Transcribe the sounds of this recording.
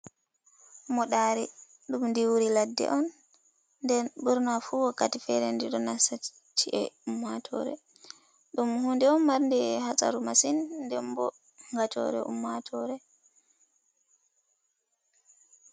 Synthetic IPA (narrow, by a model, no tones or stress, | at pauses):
mɔɗaɾɛ | ɗumndiwuɾiladːɛ̰ʔɔnː | dɛnbuɾnafuwakːatifɛɾɛndiɗɔnasa | t͡ʃʰːiʔɛumːatʰɔ̰ɾɛ̰ | ɗumhundɛɔnmaɾndɛhasa̰ɾumasinːdɛmbɔ̰ | ŋɡatɔ̰ɾɛ̰ʔṵmːatʰɔɾɛ